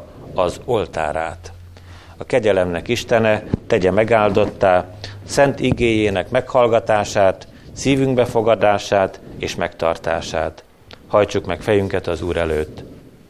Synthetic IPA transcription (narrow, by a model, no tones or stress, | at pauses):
ɒzo̞lt̪a̰ːɾa̰ːt̪ | ɒkɛɟɛlɛmnɛkiʃt̪ɛnɛt̪ɛɟɛmɛɡaːld̪o̞t̪ːaːsɛnt̪iɡeːjeːnɛkmɛkhɒlɡɒt̪aːʃaːt̪ | siːvyŋɡbɛfo̞ɡɒd̪aːʃaːt̪eːʃmɛkt̪ɒ̰rt̪a̰ːʃa̰ːt̪ | hɒjt͡ʃukmɛkfɛjyŋkɛt̪ɒzuːɾɛløːt̪ː